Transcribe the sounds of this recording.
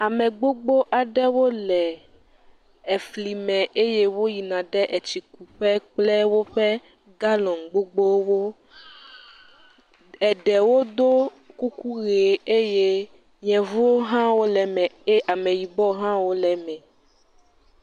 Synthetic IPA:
a˨mɛ̃˨ɡ͡bo˦ɡ͡bo˦ʔa˨ɖɛ˦wo˦lɛ˨ | ɛ˨fli˨mɛ̃˨ʔe˦je˦wo˦ji˨nã˨ɖɛ˦ʔɛ˨t͡ɕi˨ku˨ɸɛ˦k͡plɛ˦wo˦ɸɛ˦ | ɡa˦lɔ̃˨ŋɡ͡bo˦ɡ͡bo˦wo˦ | ɛ˨ɖɛ˨wo˦d̪o˦ | ku˦ku˦ɣe˨e˦je˦ | ɲɛ̃˨vu˦o˦ɦã˦wo˦lɛ˨mɛ̃˨e˦ʔa˨mɛ̃˨ji˨bɔ˦ɦã˦wo˦lɛ˨mɛ̃˨

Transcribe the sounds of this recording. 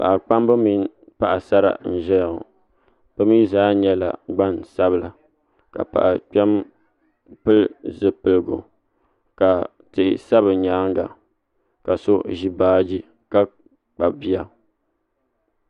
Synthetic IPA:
pa̰˨ʔa˨k͡pa˦m˦bɨ˦mi˦n˦ | pa˦ʔa˨sa˦ɾa̰˨n̩˨ʒɛ˦ja˨ʊ̰˨ | b̥ɨ˦mi˦zaː˦ɲɛ˦la̰˨ɡ͡ba˦nsa˦bɨ˦la˨ | ka̰˨pa̰˨ʔa˨k͡pɛ˦m | pɨ˦lzɨ˦pɨ˨lɨ˨ɡo̰˨ | ka˨ | tɨ˨ʔɪ˨sa˦βɨ˨ɲaː˦ŋ˦ɡa˨ | ka˨so˦ʒi˦baː˦d͡ʒi˦ | ka˦ | k͡pa˨bi˦a˨

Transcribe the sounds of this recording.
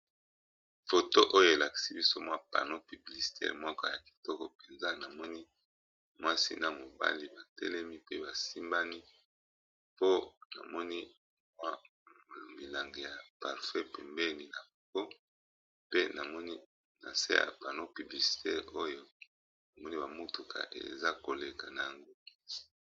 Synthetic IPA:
fo˨to˦ʔo˦jo˦e˨la˨ki̥˨si˦bi˦so˦mwa˦pa̰˨no˦py˨bli˨si̥˨tɛ̰˦ʁmwɔ˦ka˦ja˨ki̥˨tɔ˦kɔ˨pe˨nza˦na˨mɔ˦ni˦ | mwa˦sḭ˦na˨mo˨ba̰˦li˦ba˨tɛ̰˦lɛ˦mi˦pe˦ba˨si˦mba˦ni˦ | po˦na̰˨mɔ˦ni˦ | mwa˦˨ | mi˨la˨ŋɡe˨ja˨pa˨ʁfɛ˦pɛ˨mbɛ˦ni˨na˨mɔ˨ko˦ | pe˦na˨mɔ˦ni˦ | na̰˨sḛ˦a̰˨pa˨no˦py˨bli˨si̥˨tʰɛ˦o˦jo˦ | na˨mɔ˦ni˦ba˨mu˦tu˨kʰa̰˨ʔḛ˨za˦ko˨le˨ka˨na˨ja˨ŋɡo˦

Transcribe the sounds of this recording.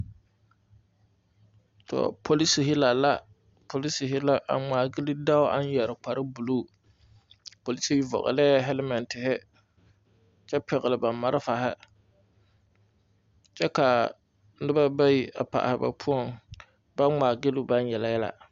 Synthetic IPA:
tɔ̰˨pʰo˨li˦si˨ɦɪ˦la˨la˦ | pʰo˨li˦si˨ɦɪ˦la˦ʔa̰˨ŋ͡maː˨ɡɪ˦lɪ˦da˦wʊ˦a̰˦n˦jɛ˨ɾɪ˨k͡pa˨ɾɪ˦bu˨lu˦˨ | po˨li˦si˨i˦vɔ̰˨ɣɪ̰˨lɛ˦ɦɛ˦lɪ˦mɛ˨ntɪ˨ɦɪ˦ | t͡ʃɛ˦pɪ˨ɣɪ˨lɪ˨ba˨mːa˨˦ɾɪ˦fa˨ɦɪ̰˦ | t͡ʃɛ˦ka˨˦ | dɪ˦ba˦ba˦ji˨ʔa̰˨pa̰˨ʔa̰˨hɪ˨ba̰˨pʰʊ˦ɔ˦ŋ | ba˦ŋ͡maː˨ɡɪ˦lɪ˦ba˦n˦jɛ˨la˨jɛ˦la̰˨

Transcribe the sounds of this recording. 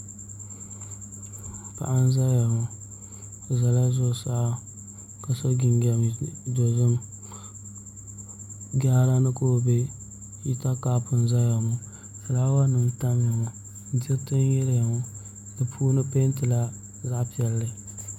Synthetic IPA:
pa̰˨ʔa˦n˦za˦ja˨ŋɔ˨ | za˨la˦zʊ˦˨sa˦ʔa˦ | ka˨so˦ɡɪ˨nɡɛ˦˨do˨zɨ˦m | ɡa˦la˦nɨ˦ko˦˨be˦ | ji˦ta˦kaː˦pʊ˨n˨za˦ja˨mɔ˦ | sa˨laː˦wa˦nɨ˨m˦ta˦m˦ja˨ŋɔ˨˦ | dɪ˦tɨ˦njɛ˦lja˨ŋɔ˦ | dɨ˨pʰuː˦nɨ˦pe˦ntɨ˨la˦ | za˦ʔpi˦ɛ˨lːɨ˨

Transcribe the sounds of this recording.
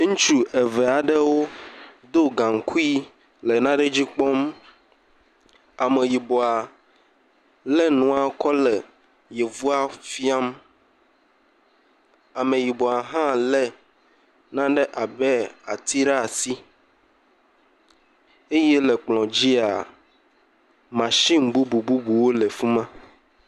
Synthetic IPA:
ŋũ˦t͡ʃu˦ɛ˨vɛ˨a˨ɖe˦wo˦d̪o˦ɡã˨ŋ̩˨kʰu˦i˦ | le˨nã˦ɖe˦d͡ʑi˦k͡pɔ˦m | a˨me˨ji˨bo˨a˨ | lɛ˦nũ˨a˨kɔ˦lɛ˨ | je˨vu˦a˦fi˦a˦m | a˨mẽ˨ji˨bɔ˨a˨ɦã˦lɛ˦ | nã˦ɖe˦ʔa˨bɛ˦a˨t̪i˦ɖa˦˨si˦ | e˦jɛ˦lɛ˨k͡plɔ̃˨d͡ʑi˦a˨ | mã˨ʃi˦mbu˦bu˨bu˦bu˨wo˦le˨fũ˦mã˦

